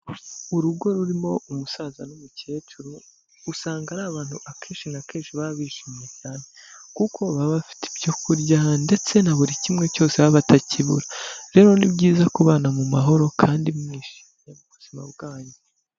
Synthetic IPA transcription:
uɾuɡo̞ɾuɾimo̞umusaːzanumuce̞ːt͡ʃuɾu | usaːŋɡaɾaːβaːn̥huʔakʰeːnʃinakeːnʃiβaaβiːʃimije̞caːne̞kukʰo̞βaβafi̥ti̥bɟo̞kuɾɟande̞t͡se̞naβuɾicimŋe̞co̞ːse̞βaβataciβṵɾaɾe̞ːɾo̞nibɟiːzakuβaːnamumaɦo̞ɾo̞kʰaːndimŋiːʃi̥mɲemuβuzima̰bɡaːɲe

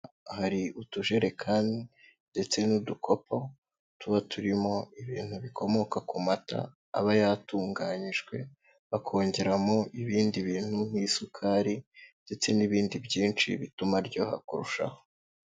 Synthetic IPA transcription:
haɾiutuʒe̞ɾe̞kʰaːndi | nde̞t͡se̞nudukʰo̞po̞ | tuβatʰuɾimo̞iβiːn̥huβiko̞mo̞kakumata̰ː | βajatuːŋɡaɲiʒɡwe̞ | βakʰo̞ːɲɟe̞ɾamo̞ʔiβiːndiβiːn̥hum̥hisukʰaɾinde̞t͡se̞niβiːndibɟiːnt͡ʃḭβitumaɾɟo̞ha̰kuɾuʃa̰ho

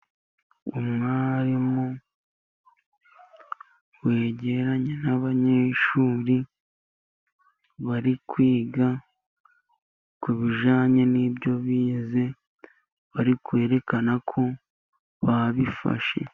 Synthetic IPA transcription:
umŋaːɾimo | we̞ːɟeɾaɲenaβaɲe̞ːʃuːɾi | βaɾikwiːɡa | kuβiʒaːɲenibjo̞βiːze̞ | βaɾikwe̞ːɾe̞kanakʰo̞ | βaβifa̰ʃe̞̰

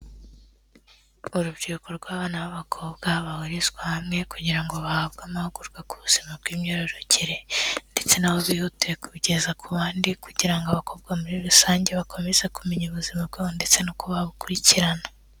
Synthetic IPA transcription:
uɾubɟiɾukoɾɡwaːβanaβaβakʰoβɡaβahuɾizɡwahamŋe̞kuɟiɾaŋɡoβahab̚ɡaːmahuɡuɾɡwakuβuz̥imab̚ɡiːmɲoɾeɾoɲɟiɾende̞t͡se̞naβo̞βihutuekuβɟezakʰuβaːndikuɟiɾaŋɡoaβakʰo̞bɡamuɾiɾusaːɲɟe̞βakʰo̞mezakumeɲuβuzimabɡaβonde̞t͡se̞nokuβaβukuɾiciɾana

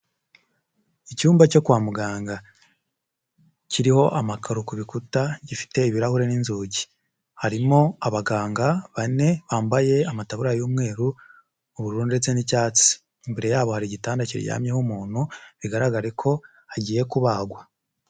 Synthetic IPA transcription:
icuːmbat͡ʃo̞kuwaːmuɡaːŋɡa | cʰiɾiho̞ʔamakʰaɾukuβikutaɟifi̥te̞iβiɾahuɾe̞ninzuːɟi | haɾimo̞aβaɡaːŋɡaβane̞βaːmbaje̞amataβuɾajuːmŋe̞ːɾuː | βuɾuːnde̞t͡se̞nicaːt͡si̥ː | mbeɾe̞jaːβo̞haɾiɟitaːndacḭɾ̰ja̰ːmɲehumuːn̥huβiɡaɾaɡaɾekʰo̞ | haɟiːje̞kuβaɡwa

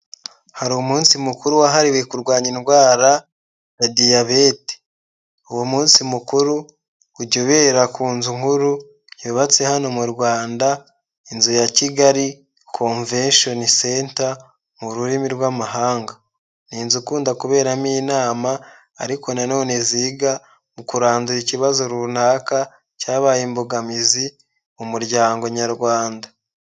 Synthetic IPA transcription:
haɾumuːnsimukuɾuwaɦaɾiwe̞kuɾɡwaːɲinɡwaːɾa | jadijaβeti̥ | uwomuːnsimukuɾuː | ɟoβe̞ɾakuːnzuŋhuɾu | joβat͡se̞hano̞muɾɡwaːnda | inzujaciɡaɾi | kʰoɱvenʃo̞nisenta | muɾuɾimiɾwamaɦaːŋɡa | niːnzukuːndakuβe̞ːɾamiːnaːmaː | ɾiko̞nano̞ːne̞ziːɡa | mukuɾaːnzuɾiciβazoɾunaːka | caːβajimboɡamizi | mumuɾɟaːŋɡo̞ɲaɾɡwaːnda

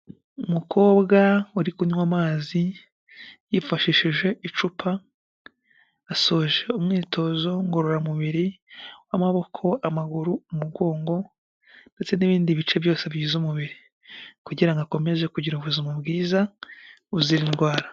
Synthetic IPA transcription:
umukʰo̞ːbɡauɾikuɲwamaːzi | jifaʃiʃiʒe̞ʔit͡ʃupʰa | so̞ʒe̞umŋiːtʰo̞zo̞ŋɡoɾoɾamuβiɾiwamaβo̞kʰo̞amaɡuɾuumuɡo̞ːŋɡo̞ | nde̞t͡se̞niβiːndiβit͡ʃe̞βjo̞ːse̞βjizumuβiɾi | kuɟiɾaŋɡako̞me̞ze̞kuɟiɾuβuzimubɡiːza | uziɾinɡwaːɾa

